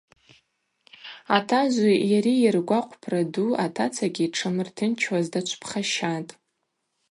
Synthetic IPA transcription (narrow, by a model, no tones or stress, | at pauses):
atʰazʷijaɾiirɡʷaqʷʼpʰraduatʰat͡sʰaɡʲiːʈ͡ʂʰamɨrtʰɨnt͡ʃʰwazdat͡ʃʷʰpʰχaʃatʼ